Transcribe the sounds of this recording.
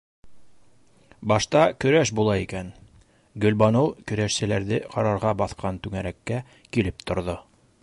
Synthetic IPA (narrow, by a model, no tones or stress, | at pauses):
bɑʃt̪ɑkɵ̆ɾæʃbulˠɑikæn | ɡɵ̆lbɑnɤwkɵ̆ɾæʃsɘ̆læɾðɘqʰɑɾɑɾʁɑbɑθqɑnt̪ʉŋæɾækːæ | kilɘpt̪ŏɾðo